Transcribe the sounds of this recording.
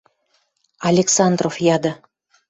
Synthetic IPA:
ɑlʲeksɑnd̪rofjɑd̪ə̆

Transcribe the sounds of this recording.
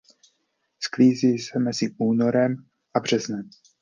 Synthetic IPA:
skliːziːsɛmɛzɪʔuːno̞ɾɛm | ʔabr̝̥ɛznɛm

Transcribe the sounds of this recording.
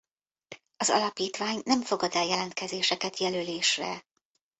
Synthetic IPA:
ɒzɒ̰lɒpiːt̪ʋaːɲnɛɱfo̞ɡɒd̪ɛljɛlɛnt̪̚kɛzeːʃɛkɛt̪jɛløleːʃrɛ̰

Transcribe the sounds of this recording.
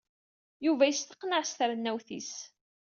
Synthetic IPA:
juvæjəst̪ə̥qːnəʕst̪əɾnːæwθḭs

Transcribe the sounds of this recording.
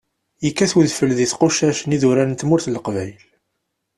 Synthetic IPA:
jəkːæθwəðfəlðiθqoʃæʃniðuɾænnt̪mʊɾθləqvæjl

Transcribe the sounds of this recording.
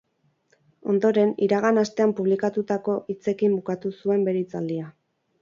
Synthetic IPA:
o̞nd̪o̞ɾe̞niɾaɣ̞anast̪e̞ampuβlikat̪ut̪ako̞ʔit͡se̞kimbukat̪usue̞mbe̞ɾit͡sald̪ia

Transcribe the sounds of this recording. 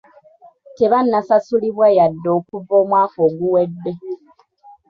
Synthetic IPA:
teβanːasasuliβwajadːo̞ːkuvːo̞ːmwaːkoːɡuwedːe̞

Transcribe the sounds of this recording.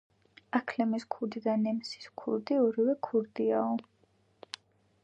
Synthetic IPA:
akʰlɛmiskʰuld̪id̪anɛmsi̥skʰuɾd̪iɔɾivɛkʰuɾd̪iaɔ

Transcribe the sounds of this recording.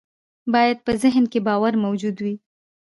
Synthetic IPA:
bɑjad̪̚pəzɪɦnkebɑwaɾmawd͡ʒud̪wi

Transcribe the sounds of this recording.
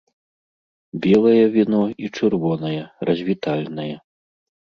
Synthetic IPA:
bʲɛlˠɐjɐvʲinɔit͡ʂɨrvɔnɐjɛrɐzʲvʲit̪alʲnɐjɛ

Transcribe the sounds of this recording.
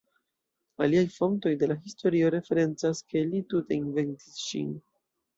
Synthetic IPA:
aliajfo̞nto̞jde̞laɦisto̞ɾio̞ɾe̞fe̞ɾe̞nt͡saske̞lituteinve̞nti̥sʃḭn

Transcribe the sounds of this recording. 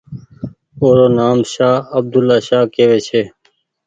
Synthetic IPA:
oːɾoːnaːmʃaːəb̚d̪ʊlaːʃaːkeːʋeːt͡ʃʰeː

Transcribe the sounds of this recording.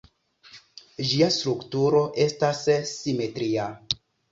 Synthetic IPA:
d͡ʒiastɾuktuɾo̞ʔe̞stasːime̞tɾia

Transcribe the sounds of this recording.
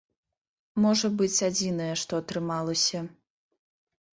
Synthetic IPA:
mɔʐɐbɨt͡sʲad͡zʲinɐjɛʂt̪ɔɐt̪ɾɨmalˠɐsʲɐ

